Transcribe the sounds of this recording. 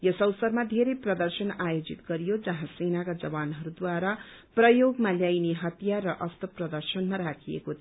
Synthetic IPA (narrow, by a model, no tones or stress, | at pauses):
jʌsʌwsʌrmad̪ʱeɾejprʌd̪ʌrsʌnajod͡zit̪ɡʌɾijod͡zʌɦãsenakad͡zʌbanɦʌɾud̪waɾaprʌjoɡmaljajneɦʌt̪jarːʌʔʌst̪ʰʌprʌd̪ʌrsʌnmaɾakʰijḛkot̪ʰ